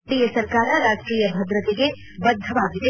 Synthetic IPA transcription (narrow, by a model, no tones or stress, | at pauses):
ɾiːjɐsɐɾkaːɾaɾaːd͡ʒkɾiːjɐbʱɐd̪ɾət̪eke | bɐd̪ʱːɐʋaːɡit̪e